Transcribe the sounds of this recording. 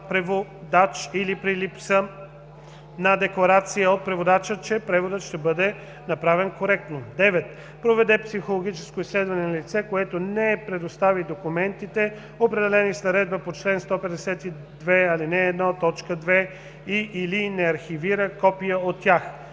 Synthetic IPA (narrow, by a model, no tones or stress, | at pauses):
pɾɛvod̪at͡ʃilipɾilipsə | nɐd̪ɛklˠɐɾat̪sijəot̪̚pɾɛvod̪at͡ʃət͡ʃɛpɾɛvod̪ət̪ʃt̪ɛbɤd̪ɛ | nɐpɾavɛnkoɾɛk̚t̪nod̪ɛvɛt̪ | pɾovɛd̪ɛpsixolˠoɡ̟it͡ʃɛskoislɛd̪vɐnɛnɐlit̪sɛkoɛt̪onɛpɾɛd̪ost̪avid̪okumɛnt̪it̪ɛ | opɾɛd̪ɛlɛnisnɐɾɛd̪̚bəpot͡ʃlɛnst̪ɔpɛd̪ɛsɛt̪i | d̪vɛalinɛːd̪nat̪ːɔt͡ʃkəd̪vɛ | iʔːlinɛɐɾxiviɾəkɔpijəot̪ːʲjax